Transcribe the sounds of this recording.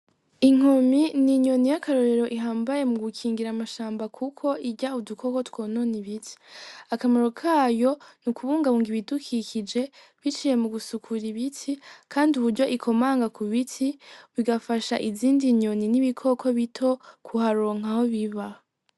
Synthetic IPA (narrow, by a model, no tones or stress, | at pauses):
iŋ̥ominiɲo̞nijakʰaɾo̞ɾe̞ɾo̞ʔiɦaːmbaje̞muɡukʰiːŋɡiɾamaʃaːmbakʰukʰo̞ʔiɟaudukʰo̞kotwoːno̞niβitʰi̥akamaɾo̞kʰaːjo̞nukʰuβuːŋɡaβuːŋɡiβidukʰikid͡ʒe̞ | βit͡ʃije̞muɡusukʰuɾiβitʰikʰaːndiuβuɾɟo̞ʔikʰo̞maːŋɡakʰuβitʰiβiɡafaʃaʔiziːndiɲo̞niniβikʰo̞kʰo̞βitʰo̞kʰuhaɾo̞ːŋ̥aho̞βiβah